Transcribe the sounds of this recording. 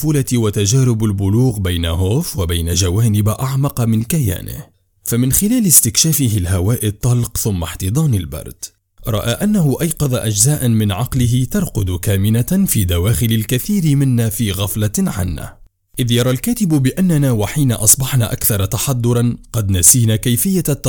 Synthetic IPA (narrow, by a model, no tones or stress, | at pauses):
fuːlat̪wat̪ad͡ʒaːɾʊbalbʊluːɣbajna̰ɦoːfwabajnad͡ʒawaːnɪbʔaʕmɑqɑmɪnkaja̰ːnɪ̰h | famɪnxɪlaːlɪst̪ɪkʃaːfɪɦɪlɦawaːʔɪt̪ˤːɑlqθʊmːaħt̪ɨd̪ˤɑːnalbɑ̰ɾˤd̪̥ | ɾˤɑ̰ʔaːʔanːaɦʊʔɑjqɑðˤaʔad͡ʒzaːʔanmɪnʕɑqlɪɦɪt̪ɑɾˤqʊd̪kaːmɪnafiːd̪awaːxɪlalkaθiːɾɪmɪnːaːfiːɣɑflaʕa̰nːa̰ː | ʔɪðjɑɾˤɑlkaːt̪ɪbbɪʔanːanaːwaħiːnaʔɑsˤbɑħna̰ːʔakθɑɾˤɑt̪ɑħɑd̪ˤːʊɾˤɑnqɑd̪nasiːnaːkajfɪjːat̪ː